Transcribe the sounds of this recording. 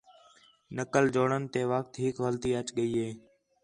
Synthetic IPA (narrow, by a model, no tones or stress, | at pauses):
nəkəld͡ʒoːɳənt̪eːʋək̚t̪ɦɪkʋəlt̪iːət͡ʃɠəiːɦeː